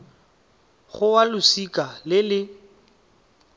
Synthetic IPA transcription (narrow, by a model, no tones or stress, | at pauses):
χʊwalʊsikʼalɪlɪ